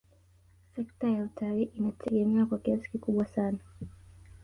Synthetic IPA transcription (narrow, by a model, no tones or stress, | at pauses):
sɛk̚tajautʰaliːʔinatʰɛɠɛmɛwakwakiasi̥kikuɓwasana